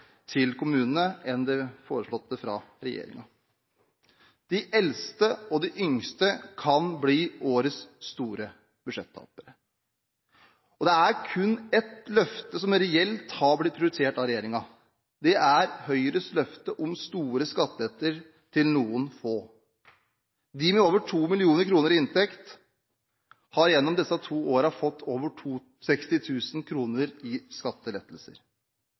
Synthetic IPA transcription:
t̪ʰɪlkʰʊmʉːnənəɛnd̪ɛfoːɾəʂɭɔt̪ːəfɾɑ̰ɾɛjḛːɾɪ̰ŋɑ | d̪̥ɪʔɛlst̪əɔd̪ɪʔʏŋst̪əkʰɑnbliːoːɾəsːt̪uːɾə | b̥ʉʂɛt̪ʰːɑ̰ːpəɾə | ɔd̪ɛæɾkʰʉnːɛt̪lœft̪əsɔmɾɛɛlt̪hɑɾblɪt̪̚pʰɾʊd̪ʉseːʈɑɾɛjeːɾɪŋɑ | d̪ɛʔæɾhœʏɾəslœft̪əʔɔmst̪uːɾəskɑt̪ːəlɛt̪ːəɾ | t̪ʰɪlnuːənfoː | d̪ɪmɛoːʋəʈʰuːmɪlɪuːnəɾkʰɾuːnəɾɪɪnt̪ʰɛkt̪ | hɑɾjɛnːɔmd̪ɛsːɑt̪ʰuːoːɾɑfɔt̪ːoːʋəʈʰuː | sɛkst̪ɪt̪ʰʉːsnkʰɾuːnəɾɪskɑt̪ːəlɛt̪ːəl̩sə̰ɾ

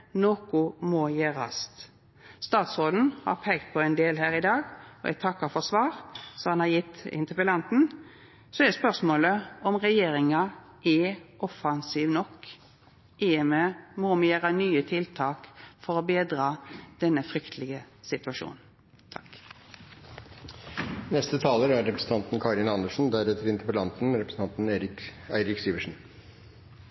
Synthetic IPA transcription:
nokʊmɔjeːɾɑ̰st̪ | st̪ɑːt̪sʁoːd̪n̩hɑ̰ɾpʰɛɡt̪̚pʰɔɛɪnd̪eːlhæːɾɪd̪ɑːɡɔ̰ʔɛ̰ɡ̚t̪ʰɑkːəɾfɔʁsʋɑːɾsɔhɑnhɑʁjɪt̪ːɪ̰nt̪əpəlɑnt̪n̩ | sɔɛɛspœʁsmoːləɔmʁɛjeːɾɪŋɑ | ʔɛʔɔfɑnsiːʋnɔkː | ʔeːɛməmomɛjæːʁənyːət̪ʰɪlt̪ʰɑːkfɔɾɔbeːd̪ʁɑːd̪̥ɛnːəfʁʏkt̪ʰəlɪɡə | sɪt̪ʉɑʂʃṵːnn̩ | t̪ʰɑ̥k | nɛst̪ət̪ʰɑːləɾæɾɾɛpɾəsən̩t̪ɑnt̪n̩kʰɑːɾɪnɑnd̪əʂn̩d̪æɾɛt̪əɾɪnt̪əpəlɑnt̪n̩ɾɛpɾsn̩t̪ɑnt̪n̩eːɾɪæɪɾɪksiːʋəʂn̩

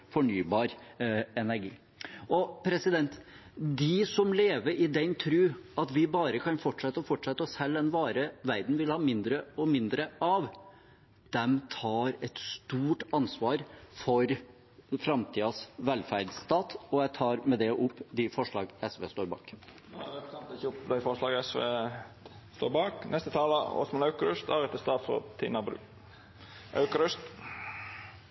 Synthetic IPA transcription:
fɔɳyːbɑːɾɛnæɾɡiː | ɔpʰɾɛsɪd̪ɛnt̪ | d̪ɪsɔmleːʋəɾʔɪd̪ɛnt̪ʰɾʉːɑt̪ʋɪbɑːɾəkʰɑnfɔʈʂɛt̪ːɔfɔʈʂɛt̪ːəɔshɛlːɛnʋɑːɾəʋæɾd̪n̩ʋɪlhɑːmɪnd̪ɾəɔmɪnd̪ɾəʔɑʋ | d̪̥ɛmt̪ʰɑːɾɛt̪st̪uːʈɑnsʋɑːɾfɔɾ | fɾɑmt̪ʰiːɑsʋɛlfæɾɖ̪st̪ɑːt̪ɔjæɪt̪ʰɑːɾmɛd̪ɛʔʊpːd̪ɪfɔʂɭɑːɡɛsʋḛːst̪oːɾbɑ̰ːk̪ː | ksɑmt̪ɪçʊpːd̪æɪfɔʂlɑːɡəɛsʋeː | st̪oːɾbɑːknʔɛst̪ət̪ʰɑːləɔ̰smɛnɑʉkəɾʉst̪ɑːɾɛt̪əst̪ɑːt̪fɔ̰t̪ʰḭnɑbɾʉ̰ | ʔɑ̰ʉkəɾʉst̪

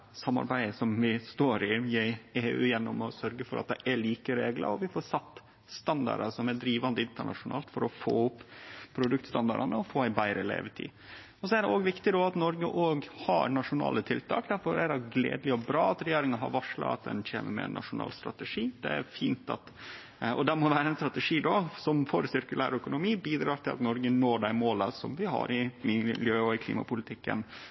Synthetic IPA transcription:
sɑmːɑ̰ɾbæɪəsɔmʋɪst̪oːɾɪjæeːʉ̰ːjɛnːɔmɔsœɾɡəfɔɾʔɑ̰t̪̚d̪ɛʔæɭiːkəɾeːɡlə̰ɾɔʋɪfɔɾsɑt̪ː | st̪ɑnd̪ɑ̰ɾɑsɔmæɖ̪ɾiːʋɑnd̪əɪnt̪əɳɑ̰ʂʊnɑ̰ːlt̪fɔɾɔfo̰ːʊpːʰɾʊd̪ʉk̚t̪st̪ɑnd̪ɑɾɑnəɔfoːæɪbæɪɾʔəlḛːʋət̪ʰḭː | ɔsɔæɖɛʔoːɡʋɪkt̪ɪd̪ɔːɑt̪nɔɾɡəʔoːɡhɑɾnɑʂʊnɑ̰ːlət̪ʰɪlt̪ʰɑ̰ːkd̪æɾfɔɾæɾɑɡlḛːd̪lɪɔbɾɑːɑt̪ɾɛjeːɾɪŋəɦɑ̰ɾʋɑʂɭɑ̰ɑ̰t̪̚d̪ɛ̰nc͡çḛːmə̰ɾmɛ̰ɛ̰nːʔɑ̰ʂʊnɑ̰ːlst̪ɾɑ̰t̪əʂiːd̪̥ɛ̰æ̰ɾfiːnt̪ɑ̰t̪ | ɔ̰d̪ɛmɔʋæːɾəɛnst̪ɾɑt̪əʂiːd̪ɔsɔmfɔɾsɪɾkʉlæ̰ːɾœkʊnʊmiːbiːd̪ɾɑːɾʈ̪ɪlɑ̰t̪nɔɾɡənoːɖæɪmoːləsɔmʋɪɦɑ̰ɾɪmɪljøːɔɪkʰlḭːmɑ̰pʊlɪt̪ʰɪkːə̰n

